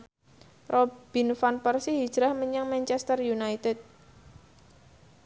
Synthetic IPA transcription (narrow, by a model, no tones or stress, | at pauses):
rʔob̥i̤nfanpərsihid̥ʒ̥ɾahməɲaŋmɛnt͡ʃɛst̪ərjunajt̪ɛt̪̚